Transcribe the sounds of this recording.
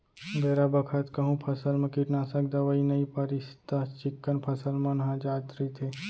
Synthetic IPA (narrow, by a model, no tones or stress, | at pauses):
bʱeːɾabɐkʰət̪kɐɦũpʰɐsəlmɐ̃kiʈnasɐkd̪aʋɐinɐipɐɾist̪at͡ʃɪkːənpʰɐsəlmɐnɦãd͡ʒaːt̪ɾit̪ʰeː